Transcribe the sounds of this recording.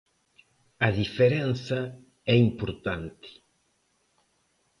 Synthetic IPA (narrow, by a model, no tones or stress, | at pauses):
ɐðifeɾɛnθɐ | ɛimpoɾt̪ant̪ɪ̥